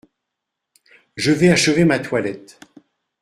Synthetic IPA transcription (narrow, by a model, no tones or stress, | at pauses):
ʒəvɛaʃəvemat̪walɛt̪